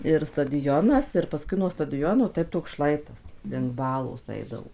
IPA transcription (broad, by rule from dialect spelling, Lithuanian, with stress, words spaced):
ɪr stɐdʲɪˈjoːnɐs ɪr pɐˈskʊɪ nuɔ stɐdʲɪˈjoːnoː ˈtɐɪp toːks ˈʃlˠɐɪtɐs lʲɪŋk ˈbɑːlˠoːs ˈɐɪdɐʋoː